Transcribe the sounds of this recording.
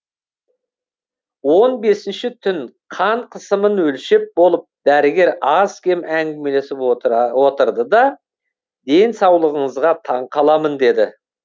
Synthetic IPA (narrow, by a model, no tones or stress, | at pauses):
wo̞nbe̞sɪnʃɪt̪ʰʏnqʰɑɴqʰəsəmənwɵlʃɪp̚bo̞lˠəp̚d̪æɾɪɡʲe̞ɾɑskʲʰe̞mæŋɡʲɪme̞le̞sɪpwo̞t̪əɾd̪əd̪ɑ | d̪e̞nsɑwlˠəʁəɴəzʁɑt̪ʰɑɴqʰɑlˠɑmənd̪e̞d̪ɪ